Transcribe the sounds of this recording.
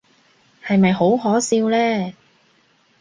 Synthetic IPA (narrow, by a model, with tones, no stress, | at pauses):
hɐ˨jmɐ˨jɦo˨˥wɦɔː˨˥siː˧wlɛː˥